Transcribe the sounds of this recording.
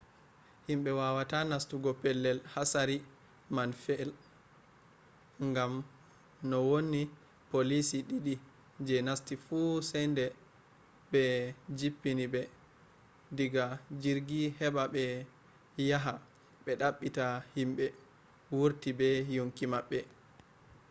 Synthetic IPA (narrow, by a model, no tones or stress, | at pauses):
himɓɛwawatanastuɡɔpɛlːɛlhasaɾi | manfɛl | ŋɡam | nɔwonːi | polisiɗiɗi | d͡ʒɛnastifusɛjndɛ | ɓɛd͡ʒipːinibɛ | diɡad͡ʒiɾɡihɛɓaɓɛ | jaɦa | ɓɛɗaɓːitahimɓɛ | wuɾtibɛjoŋkimaɓːɛ